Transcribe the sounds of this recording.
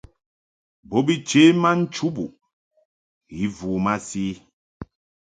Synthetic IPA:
bo˦bi˦t͡ʃe˦ma˦n̩˦t͡ʃu˦bu˨ | ɣi˨˦vuː˨ma˦siː˦

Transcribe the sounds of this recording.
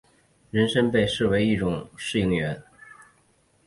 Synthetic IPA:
ɻə˧˥nʂə˥npe˥˧ɪʂɻ̩˥˩we˧˥ɪi˥˩ʈ͡ʂʊ˨˩ŋʂɻ̩˥˩i˧˥˩ŋɥɛ˧˥n

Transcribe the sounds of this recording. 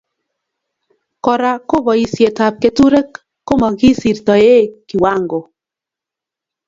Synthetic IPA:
kɔ˨ɾa˨ko˦bɔ˨i˨sje˨ta˨p̚ke˨tu˦ɾe˦kː | o˦mɔ˨ɡi˦si˨ɾt̪ɔ˨e˦ki˨wa˦ŋɡo˨

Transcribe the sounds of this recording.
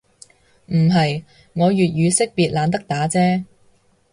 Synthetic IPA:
m̩˨˩ɦɐ˨j | ŋɔː˨˧jyː˨t̚jyː˨˧sɪ˥k̚piː˨t̚laː˨˧nt̪ɐ˥k̚t̪aː˨˥t͡sɛː˥

